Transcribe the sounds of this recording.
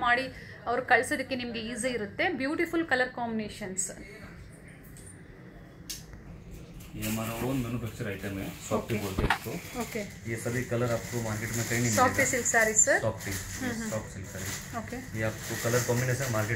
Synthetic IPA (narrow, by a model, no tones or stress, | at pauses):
maːɽi | ɐʋɐɾukɐɭsod̪ɐkːenimɐɡeiːziːɾut̪ːe̞bjuːʈifulkɐlɐɾkaːmbineːʃɐns | emanɐʋɽuond̪mɐnupʰɐk̚t͡ʃɐɾɐjʈɐmesaːpʈikoɽbeːkt̪ːuoːkeisɐd̪ikɐlɐɾɐpkumaːɾkeʈnɐkɐjinimsaːpisilksaːɾisɐɾsaːpʈiɦsaːpsilksa̰ːɾi | oːkeiɐpkukɐlɐɾkaːmbineːʃɐnmaːɾke